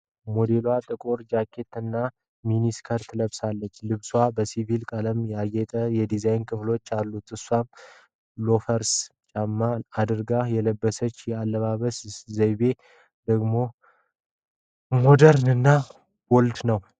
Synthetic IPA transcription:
mod̪e̞lwat̪ʼɨkʼoɾd͡ʒakʰːe̞t̪ɨnːa | miniskʰəɾt̪ʰɨləβsalːət͡ʃːlɨβswabəsivilkʼələmjɛajɛt̪ʼəjɛd̪izajnkʰɨflo̞t͡ʃːalːut̪ʰɨswam | lo̞fəɾst͡ʃʼamːaːd̪ɨɾɡajɛləbːəsət͡ʃːjɛalːəβaβəszəjβe̞ | d̪əɡmo̞ | mod̪əɾnɨnːa | wɔlt̪nəw

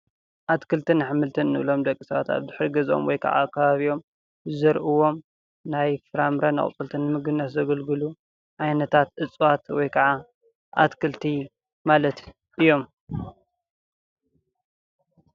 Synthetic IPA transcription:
ʔat̪kʰɨlt̪ʰɨnɨħɨmɨlt̪ʰɨnːɨʔɨ̰lo̞md̪ɐkʼːisɐβat̪a̰βdɨħɾiɡɐzo̰mwɔjkʰɐ̰ʕa̰kʰːɐβaβio̞m | zɐɾʔɨwo̞m | najfɨɾamɾɐnɨ̰χʼt͡sʼɨlt̪ʰɨnːɨmɨɡɨnːɐszɐɡɐlɡɨlu | ʕajnɐt̪ʰat̪ʔɨt͡sʼwat̪wɔjkʰɐʕa | ʔa̰t̪kʰɨlt̪ʰi | malɐt̪ | ʔɨjːo̞m

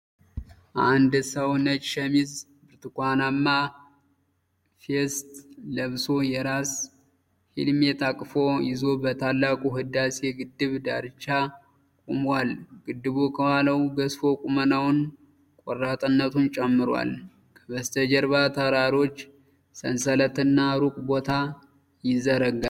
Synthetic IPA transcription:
ʔand̪səwnət͡ʃʼʃɛmiz | bɨɾt̪ɨkʷanamːa | fest̪ləβso̞jɛɾas | hḭlmjɛt̪ʰakʼfo̞jɪzo̞bət̪ʰalːakʼuɦɨd̪aseɡɨd̪ːɨβd̪aɾt͡ʃːa | kʼumwalɡ̥ɨd̪ːɨβokʰəwaləwɡəsfo̞kʼumənawʊn | kʼɔrːat̪ʼɨnːət̪ʰunt͡ʃʼɛmːɨɾwa̰l | kʰə̥βəst̪ʰəd͡ʒɛɾbat̪ʰəɾaɾo̞t͡ʃː | sənsələt̪ɨnːaɾukʼbo̞t̪ʰa | jɪzːəɾəɡa

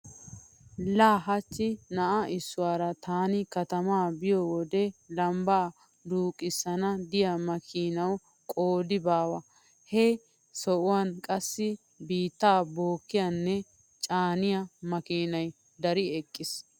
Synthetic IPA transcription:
laːɦɐt͡ʃːɪnɐʔaʔɪsːʊwaːɾɐt̪ʰaːnɪkɐt̪ɐmaːbɪjɔwɔd̪ɛlɐmbaː | d̪uːkʼːɪsːɐnɐd̪ɪjɐmɐkʰiːnɐw | kʼoːd̪ɪbaːwɐ | hɛ | sɔʔʊwankʼɐsːɪ | biːt̪ːaːbo̞ːkːɪjanːɛ | t͡ʃʼaːnɪjɐmɐkiːnɐj | d̪ɐɾɪɛkʼːɪs

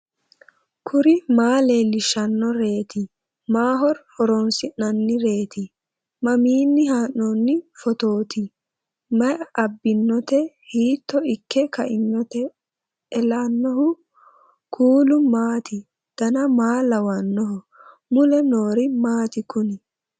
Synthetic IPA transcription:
kʰʊɾɪmaːleːlɪʃɐnːɔɾe̞ːt̪ɪ | maːɦɔɾhɔɾɔnsɪnːɐnːɪɾe̞ːt̪ɪ | mɐmiːnːɪɦaːnːɔnːɪfɔt̪oːt̪ɪ | mɐjɐbːɪnːɔt̪ɛ | hiːt̪ːɔɪkːɛkɐʔɪnːɔt̪ɛ | ɛlaːnːɔhʊ | kʰuːlʊmaːt̪ɪ | d̪̥ɐnɐmaːlɐwɐnːɔɦʊ | mʊlɛnoːɾɪmaːt̪ɪkʊnɪ

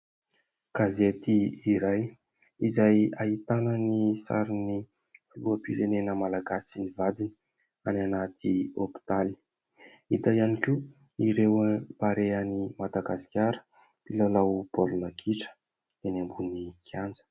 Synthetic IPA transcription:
ɡ̥azet̪iiɾaj | izajaɦit̪anənisa̰ɾini | luəpiɾenenəmalaɡasinivad̪ini | ananat̪ʰiopi̥t̪ali̥ | it̪aianikʲu | iɾewpaɾeanimad̪aɡasi̥kʲjaɾə̥ | pilalawbolunakʰiʈ͡ʂə̥ | d̪̥enambunikʰjand͡zə̥

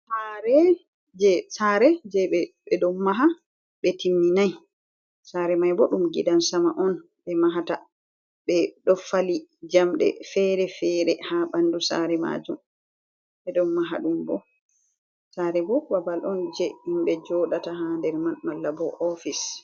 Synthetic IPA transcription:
saɾɛ | d͡ʒɛsaɾɛd͡ʒɛɓɛbɛɗɔmːaɦa | ɓɛtimːinaj | saɾɛmajbɔɗumɡḭdansamaʔɔn | ɓɛmaɦata | ɓɛɗɔfalid͡ʒamɗɛ̰fɛɾɛfɛɾɛhabandusa̰ɾɛma̰d͡ʒum | ɓɛɗɔmːaɦa̰ɗumbɔ | saɾɛbɔbabalʔɔnd͡ʒɛhimɓɛd͡ʒɔɗataɦandɛɾmanmalːabɔʔɔfis

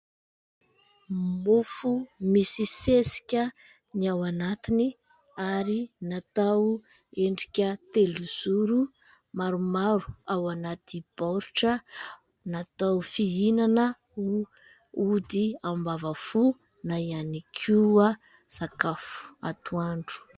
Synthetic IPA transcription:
mufumisisesi̥kʲə | niawanat̪ini | aɾinat̪aw | eɳɖ͡ʐi̥kʲət̪eluz̥uɾu | maɾumaɾu̥awanat̪ib̥oɾuʈ͡ʂə | nat̪awfiinanə | u | ud̪iambavafu | najanikʰua | z̥akafu̥at̪uaɳɖ͡ʐu̥

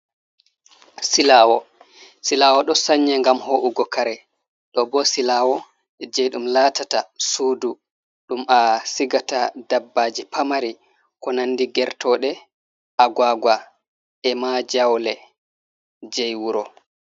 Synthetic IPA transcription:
silaːwɔ | silaːwɔɗɔsaɲːɛŋɡamhoʔuɡɔkaɾɛ | ɗɔbɔsilaːwɔ | ɛd͡ʒɛjɗumlaːtatasuːdu | ɗumʔasiɡatadabːad͡ʒipamaɾi | kɔnandiɡɛɾtɔɗɛ | ʔaɡwaɡwa | ɛmad͡ʒawlɛ | d͡ʒɛjwuɾɔ

